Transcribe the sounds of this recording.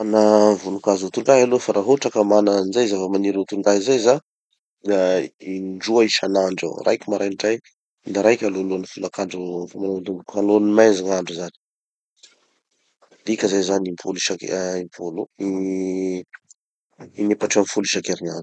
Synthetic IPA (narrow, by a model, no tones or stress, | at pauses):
anavunukazut̪uɳɖ͡ʐaɦalofaɾaɦuʈ͡ʂakəmananzajzavəmaniɾut̪uɳɖ͡ʐaɦizajza | d̪aiɖ͡ʐuaiʃanaɳɖ͡ʐa̰rʔa̰jkʲimaɾajɖ͡ʐaj | d̪aɾajkʲaloluanifulakaɳɖ͡ʐufamanand̪umbukualonimajziŋaɳɖ͡ʐuzani̥ | d̪ikʲəzazanimpʰuluʃakimpʰului | inepaʈ͡ʂianfuliʃakeɾiɲaɳɖ͡ʐu̥